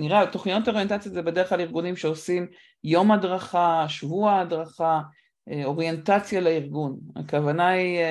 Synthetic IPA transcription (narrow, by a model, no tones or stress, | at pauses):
niʁatoχnijotaojent̪at͡sjazebedeʁχklaliʁɡunimʃeosim | jo̞mhadʁaχaʃvuaːdʁaχa | eo̞ʁjentat͡sjaleiʁɡuna̰kavanai